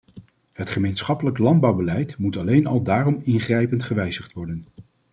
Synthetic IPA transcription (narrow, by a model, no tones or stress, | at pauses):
ɦətχəmejnsχɑpələklɑnd̚bɑwbəlɛjtmutɑlejnɑ̰lˠdaːrɔmɪnχrɛjpəntχəʋɛjzəχtʋɔɹdən